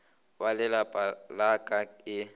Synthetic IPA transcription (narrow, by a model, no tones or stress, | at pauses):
walɪlapʼalakʼaɪ